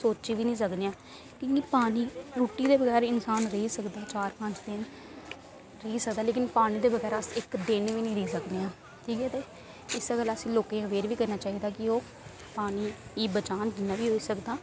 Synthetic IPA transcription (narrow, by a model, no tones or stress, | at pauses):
soːt͡ʃiːʋiːnĩːsəkneːãː | kõːkipaːniːɾuːʈiːd̪eːbəɡɛːɾɪnsaːnɾəɦiːsəkd̪aːt͡ʃaːɾpə̃ɲt͡ʃd̪ɪn | ɾəiːsəkd̪aːleːkɪnpaːñĩːd̪eːbəɡɛːɾasɪkd̪enʋiːnĩːɾəiːsəkd̪eãː | ʈʰiːkɛːt̪eː | ɪsɡəlasĩːloːkeːɦəʋeːɾʋiːkəɾnaːt͡ʃaːɦiːd̪aːkɪoː | paːniːiːbət͡ʃaːnɡɪnːãːʋiːɦoːiːsəkd̪aː